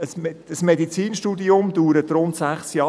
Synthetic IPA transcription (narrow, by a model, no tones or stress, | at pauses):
əsəsmedit͡siːnʃtuːd̪iʊmd̪uːɾət̪ɾʊnt̪sæχsjɑː